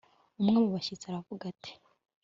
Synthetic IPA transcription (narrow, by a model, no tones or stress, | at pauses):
umŋamuβaçit͡saɾavuɡatʰe̥